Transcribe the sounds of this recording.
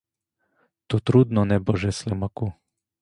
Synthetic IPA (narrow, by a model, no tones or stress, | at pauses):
t̪ot̪ɾud̪nɔnɛbɔʒɛslɛmaku